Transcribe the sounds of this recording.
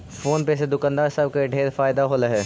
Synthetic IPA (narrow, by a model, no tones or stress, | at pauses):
foːnpesed̪ʊkãnd̪aːɾsɐb̚keɖʱeːɾfaːɪd̪aɦoːlaɦɛː